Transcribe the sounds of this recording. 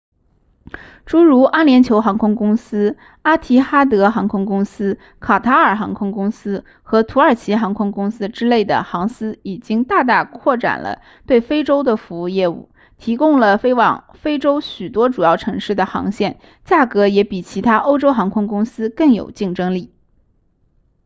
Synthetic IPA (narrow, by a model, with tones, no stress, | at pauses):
ʈ͡ʂu˧˥ɻu˧˥ʔa˥ljɛ˧˥nt͡ɕʰjo˧˥ʊxɑ˧˥ŋkʰʊ˥ŋkʊ˥ŋsɹ̩˥ | a˥t̪ʰi˧˥xa˥t̪ɤ˧˥xɑ˧˥ŋkʰʊ˥ŋkʊ˥ŋsɹ̩˥ | kʰa˨˩t̪ʰa˧˥ə˞˨˩xɑ˧˥ŋkʰʊ˥ŋkʊ˥ŋsɹ̩˥ | xɤ˧˥t̪ʰu˧˥ə˞˨˩t͡ɕʰi˧˥xɑ˧˥ŋkʰʊ˥ŋkʊ˥ŋsɹ̩˥ʈ͡ʂɻ̩˥le˥˩ɪd̪ə̰˩xɑ˧˥ŋsɹ̩˥i˨˩t͡ɕi˥ŋt̪a˥˧t̪̬a˥˩kʰwɔ˥˩ʈ͡ʂa̰˨˩nlʔə̰˦ | t̪we˥˩ɪfe˥ɪʈ͡ʂo˥ʊd̪ə˨fu˧˥u˥˧jɛ˥˧ṵ˥˩ | t̪ʰi˧˥kʊ˥ŋlə˨fe˥ɪwɑ̰˨˩ŋ | fe˥ɪʈ͡ʂo˥ʊɕy˨˩t̪wɔ˥ʈ͡ʂu˨˩jɑ˥˩ʊʈ͡ʂʰɤ˧˥ŋʂɻ̩˥˩d̪ə˩xɑ̰˧˥ŋɕjɛ˥˩n | t͡ɕja˥˩kɤ˧˥jɛ˧˥pi˨˩t͡ɕʰi˧˥t̪ʰa˥ʔo˥ʊʈ͡ʂo˥ʊxɑ˧˥ŋkʰʊ˥ŋkʊ˥ŋsɹ̩˥kɤ˥˩ŋjo̰˨˩ʊt͡ɕi˥˩ŋʈ͡ʂɤ˥ŋli˥˩